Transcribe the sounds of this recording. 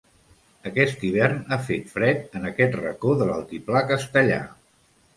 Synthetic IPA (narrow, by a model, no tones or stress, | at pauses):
əkɛst̪iβ̞ɛrnafet̪fɾɛt̪̚ənəkɛt̪rə̰koðələ̰lˠt̪iplakəst̪əʎa̰